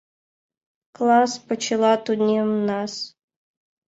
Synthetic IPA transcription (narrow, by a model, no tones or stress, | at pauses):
klˠɑspət͡ɕɪlˠɑt̪ud̪ʲnʲimnɑs